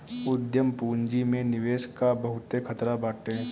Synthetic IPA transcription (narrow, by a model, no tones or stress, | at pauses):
ʊd̪jəmpuːɲd͡ʒimẽnɪʋeːʃkabɐɦʊt̪ːekʰɐt̪ɾabaːʈẽ